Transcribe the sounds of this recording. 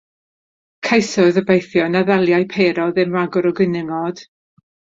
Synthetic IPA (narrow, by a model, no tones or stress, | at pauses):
kʰajsɔðəbejθjɔnaðɛlˠjajpʰeːɾɔðɨmraɡɔɾɔɡənɪŋɔd̥